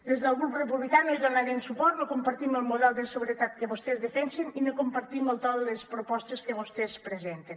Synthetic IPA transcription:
d̪ezðəlˠɣɾuprəpuβlikanojðonaɾemsupɔɾt̪nokumpaɾt̪iməlˠmuðɛlˠd̪əsəβuɾət̪at̪̚kəβost̪ɛzðəfɛnseninokompaɾt̪iməlˠt̪ɔllespɾopɔst̪eskəβost̪ɛspɾəzent̪en

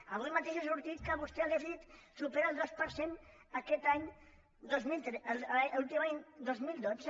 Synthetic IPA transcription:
aβujmat̪eʃesuɾt̪it̪kaβust̪ealðesiðit̪supeɾalˠd̪ospəɾsen | akɛt̪aɲ | d̪ozmilt̪ɾelult̪imaɲd̪ozmild̪os

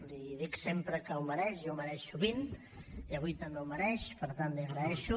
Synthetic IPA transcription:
iðiksempɾəkəuwməɾɛʃjɔwmɐɾɛʃuβin | iəβujt̪əmbewmɐɾɛʃpəɾt̪anːiaɣɾəɛʃu

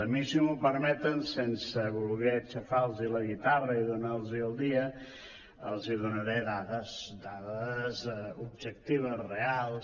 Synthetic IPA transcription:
əmisiməpəɾmɛt̪ənsensəβulˠɣɛt͡ʃəfalˠziləɣit̪arəiðunalˠziəlˠd̪iə | əlˠziðunəɾɛðaðəsd̪aðəzub̚ʒək̚t̪iβ̞əzrealˠs

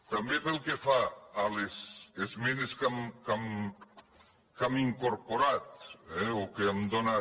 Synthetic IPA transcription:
t̪ambepelˠkefaːlesezmeneskamkam | kamiŋkoɾpoɾat̪̚ɛokeamd̪ona

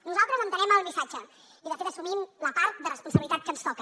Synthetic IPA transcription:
nuzalˠt̪ɾəzənt̪ənɛməlˠmisad͡ʒə | iðəfet̪əsumimləpaɾt̪̚d̪ərəspunsəβilit̪at̪̚kənst̪ɔkə

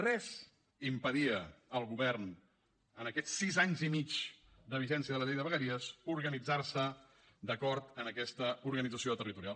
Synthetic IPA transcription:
rɛz | impəðiəəlˠɣuβɛrn | ənəkɛt̪sizaɲzimit͡ʃ | d̪əβiʒɛnsiəðələʎejðəβəɣəɾiəzuɾɣənid͡zarsə | d̪əkɔɾt̪ənəkɛst̪əuɾɣənid͡zəsioðət̪ərit̪uɾialˠ

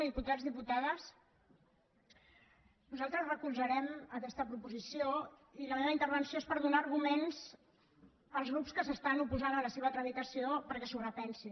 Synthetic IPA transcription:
ðiput̪ad͡zðiput̪aðəs | nuzalˠt̪ɾəzrəkulzəɾɛməkɛst̪əpɾupuzisioiləmeβint̪əɾβ̞ənsioespəɾðunaːɾɣumenz | əlˠzɣɾupskəsəst̪anupuzanələseβ̞ət̪ɾəβit̪əsiopəɾkɛsurəpɛnsi

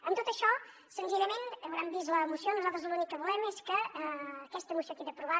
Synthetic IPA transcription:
ənt̪ot̪əʃɔ | sənziʎəmenəwɾambiz̬ləmusionuzalˠt̪ɾzlunikəβulɛmeskəː | kɛst̪əmusiot̪eðəpɾuβa

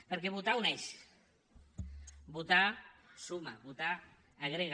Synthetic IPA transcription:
pəɾkeβut̪auneʃ | but̪asumaβut̪aː | ɣɾeɣ

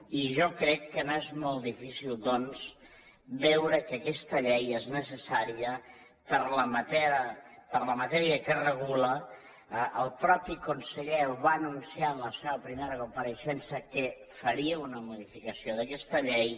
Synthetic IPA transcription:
iʒokɾɛkːənoezmɔlˠt̪d̪ifisilˠd̪ɔnz | bɛwɾəkəkɛst̪əʎejeznəsəsaɾiə | pəɾləmət̪ɛɾəpəɾləmət̪ɛɾiəkərəɣ̞ulə | ʔəlˠpɾɔpikunsəʎɛβaːnunsianləseβəpɾimeɾəkumpəɾəʃɛnsəkə | fəɾiəunəmuðifikəsioðəkɛst̪əʎej

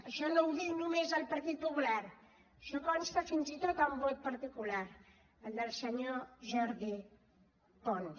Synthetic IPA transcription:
əʃɔnowðiwnumezəlˠpəɾt̪it̪̚pupulaɾ | ʃɔkɔnst̪əfinzit̪ot̪aumbot̪̚pəɾt̪ikulaɾ | əlˠd̪əlˠsəɲoʒɔɾði | p̪ɔn

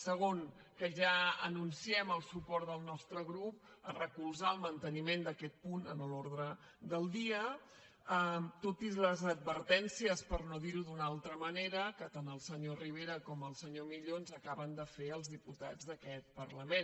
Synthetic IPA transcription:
səɣ̞oŋ | kəʒaənunsiɛməlˠsupɔɾt̪d̪əlˠnɔst̪ɾəɣɾup̚ərəkulˠzaəlˠmənt̪ənimend̪əkɛt̪̚punənəloɾðɾə | d̪əlˠd̪iə | ət̪ot̪izləzəd̪̚βəɾt̪ɛnsiəspəɾnoðiɾuðunalˠt̪ɾəməneɾəkət̪anəlˠsəɲoriβ̞eɾəkɔməlˠsəɲomiʎonzəkaβənd̪əfeəlˠzðiput̪a̰d͡zd̪əkɛt̪̚pəɾləmen

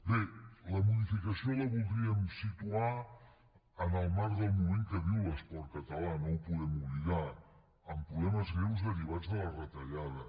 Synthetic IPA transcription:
beləmuðifikəsioləβulˠd̪ɾiəmsit̪ua | ənəlˠmaɾðəlˠmumẽŋkəβiwləspɔɾkət̪əlanowpuðɛmuβliɣa | əmpɾuβɛməzɣɾewzəriβ̞ad͡zðələrət̪əʎaðə

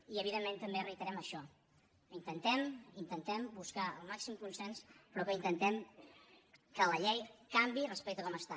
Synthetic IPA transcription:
iəβ̞iðemːẽnt̪əmberit̪əɾɛməʃɔ | int̪ənt̪ɛmint̪ənt̪ɛmbuskaəlˠmaksimkunsɛnspɾɔkəint̪ənt̪ɛm | kələʎɛjkambirəspɛk̚t̪əkɔməst̪a

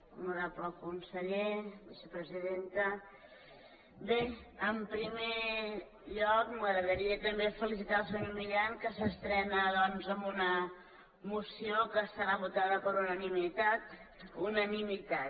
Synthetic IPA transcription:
məɾapləkunsəʎeβisepɾəziðent̪ə | beəmpɾime | ʎɔkməɣɾəðəɾiət̪əmbefəlisit̪alˠs̬əɲoɾmiʎaŋkəsəst̪ɾɛnəðɔnzəmbunə | musiokəst̪əɾaβut̪aðəpəɾunənimit̪at̪unənimit̪a

